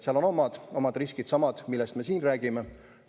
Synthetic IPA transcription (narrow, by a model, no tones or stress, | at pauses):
seɑlono̞mɑd̪̥o̞mɑd̪̥riskid̪̥sɑmɑd̪̥milːɛst̪me̞siːnræːɡ̥ime